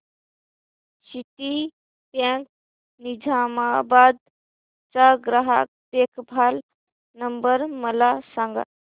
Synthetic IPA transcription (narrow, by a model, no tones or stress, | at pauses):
ʃit̪i | pjãŋk̚ | nid͡ʒʱamabaːd̪̚ | t͡ʃaɡɾaɦa̰k̚t̪eːkʰbʱaːl | nəmbəɾməlasãŋɡa̰